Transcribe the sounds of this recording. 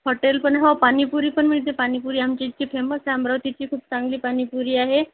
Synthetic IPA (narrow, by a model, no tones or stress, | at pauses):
ɦoʈelpəɳɦopanipuɾiːpəɳm̤ət̪epanipuɾiːamt͡ɕit͡ɕipʰeməsambɾəʋt̪it͡ɕiːkʰuːpt͡sãŋɡliːpanipuɾiːaɦe